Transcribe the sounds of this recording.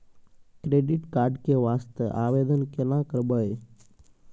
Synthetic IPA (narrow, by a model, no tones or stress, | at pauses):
kɾeːɖɪʈkaːɾɖkeʋaːst̪əʔaːʋeːd̪ənkenãkəɾbəe